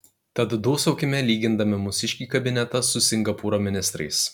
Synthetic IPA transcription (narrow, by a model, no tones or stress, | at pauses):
t̪ɐt̪d̪uːsɒʊkʲɪmʲɛlʲiːɡʲɪnd̪ɐmʲɪmʊsʲɪʃʲkʲiːkɐbʲɪnʲɛt̪ɐsʊsʲɪŋɡɐpuːɾoːmʲɪnʲɪst̪ɾɐɪs